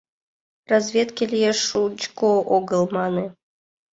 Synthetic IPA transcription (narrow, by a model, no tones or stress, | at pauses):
razvʲet̪kʲilʲjeʂut͡ɕkoʔoɡəlˠmɑne